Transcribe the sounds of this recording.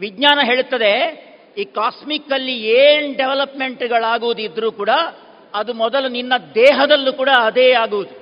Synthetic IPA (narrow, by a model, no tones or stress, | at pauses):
ʋid̪ɲaːnɐɦe̞ːɭut̪ːɐd̪e̞ | iːkaːsmikːɐlːieːnɖeʋɐlɐpme̞ɳʈɡɐɭaːɡuʋud̪id̪ɾuːkuːɽɐ | ɐd̪umɔd̪ɐluninːɐd̪ɛːɦɐd̪ɐlːuːkuːɽɐːɐd̪eːaːɡuʋud̪u